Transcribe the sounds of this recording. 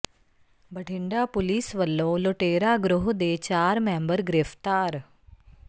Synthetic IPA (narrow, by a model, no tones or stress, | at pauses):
bəɖʱɪ̃ɳɖapʊliːsʋəlːoloʈeːɾaɡɾʊɦd̪eːt͡ʃaːɾmẽːmbəɾɡɾɪft̪aːɾ